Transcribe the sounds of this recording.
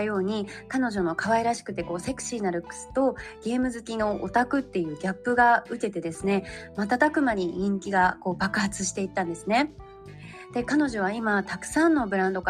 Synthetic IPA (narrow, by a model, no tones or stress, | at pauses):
jo̞ːɲ̟ikano̞ʑo̞no̞kaβaiɾaɕi̥kɯ̟̥t̪ːe̞ko̞ːse̞kɯ̟̥ɕiːnaɾɯ̟kːɯ̟̥sɨ̥t̪o̞ɡ̥ʲe̞ːmɯ̟zɨkʲino̞ʔot̪akɯ̟t̪ːe̞jɯ̟ːɡʲapːɯ̟ɡaɯ̟ke̞t̪e̞d̪e̞sɨne̞mat̪̬at̪akɯ̟maɲ̟iɲʲĩŋkʲiɡako̞ːbakɯ̟hat͡sɨɕi̥t̪e̞it̪ːãnd̪e̞sɨne̞ | d̪̥e̞kano̞ʑo̞β̞aimat̪akɯ̟̥sãnːo̞bɯ̟ɾãnd̪o̞k